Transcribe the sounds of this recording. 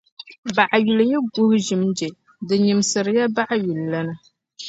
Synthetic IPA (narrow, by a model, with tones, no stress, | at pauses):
ba˨ʔa˨ɥu˨lja˦ɡu˦hʒɪ˨md͡ʒɛ˨ | dɨ˨ɲi˨msɨ˨ɾɨ˨˦ja˦ba˦ʔa˦ɥu˨lːa˦nɨ˦